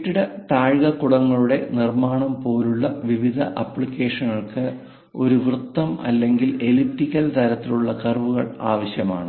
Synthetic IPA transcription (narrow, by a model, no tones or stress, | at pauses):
ʈːiɽɐt̪aːɻɣɐkːuɽɐŋːɐɭuɽe̞nirmaːɳɐmpo̞ːluɭːɐʋiʋid̪ʱɐʔɐpːɭikʲːe̞ːʂɐnːɐɭkɨ | o̞ɾuʋrɨt̪ːɐmɐ̰lːe̞ŋɡile̞lip̚tikːɐlt̪ɐɾɐt̪ːiluɭːɐkɐrʋuɣɐɭaːʋɐɕjɐma̰ːɳɨ